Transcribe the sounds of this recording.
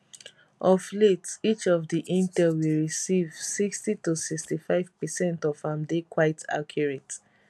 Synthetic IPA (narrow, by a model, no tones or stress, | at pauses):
ɔfletit͡ʃɔvdiʔĩntɛlwilɹisivsikstitusikstifaɪv̥pɛsɛ̃ntɔfãmdekwaɪtʰa̰kʰjuɹɛt